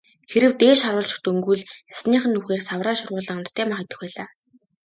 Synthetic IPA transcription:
xeɾɘ̆wt̪eːʃaɾʊːɮt͡ɕɪ̥̆xt̪ɵŋɡujɮjasniːχə̆nːuxeːrsawraːʃʊrʁʊːɮə̆amt̪t̪ʰːæːmaχet̪ə̆xpæːɮaː

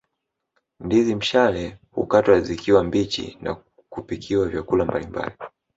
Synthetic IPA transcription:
ndizim̩ʃalɛhṵkatwazikiwambit͡ʃḭna̰ | kupikʰiwavjakulambalimba̰li

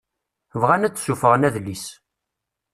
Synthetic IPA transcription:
vʁænæt͡sːsufəʁənæðlːis

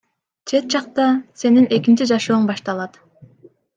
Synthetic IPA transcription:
t͡ʃʰe̞t̪̚d͡ʒɑqt̪ɑse̞ninʔe̞kint͡ʃid͡ʒɑʃoːɴbɑʃt̪ɑlˠɑt̪

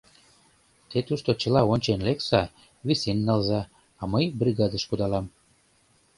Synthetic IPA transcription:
t̪et̪uʃt̪ot͡ɕə̆lɑonʲt͡ɕenleksɑ | βisenːɑlzɑ | ɑməjbriɣɑd̪əʃkud̪ɑlɑm

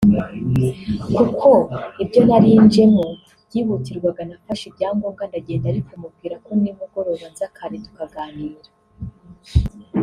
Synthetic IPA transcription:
kukʰo̞ibjo̞naɾiːnd͡ʒe̞mo | bjiːβutiɾɡwaɡanafaʃibjaːŋɡoːbɡandaɟe̞ːndaɾikumub̚ɡiːɾako̞nimuɡo̞ɾo̞βanzakʰaɾetu̥kaɡaːniːɾḁ

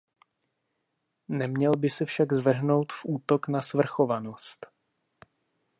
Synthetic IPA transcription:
nɛmɲɛlbɪsɛfʃaɡzvr̩ɦno̞wt̪fʔuːt̪o̞knasvr̩xo̞vanost̪

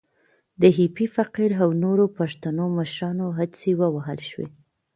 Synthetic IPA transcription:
d̪əɦipifaqiɾawnoɾopaʂt̪anoməʃɾɑnoɦad̪t͡sewəwaɦəlʃwḛ

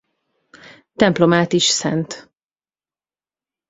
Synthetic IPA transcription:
t̪ɛmplomaːt̪iʃsɛ̰nt̪

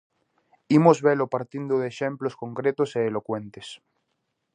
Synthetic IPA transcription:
imozβelopaɾt̪ind̪oðeːʃẽmploskõŋkɾet̪oseːlokwẽnt̪es

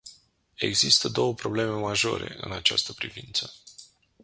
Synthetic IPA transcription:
e̞ɡzist̪əd̪o̞wəpɾo̞ble̞me̞maʒo̞̰ɾe̞̰ʔɨ̰nat͡ʃa̰st̪əpɾivint̪sə

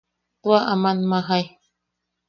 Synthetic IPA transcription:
t̪uaʔamanmaɦaj

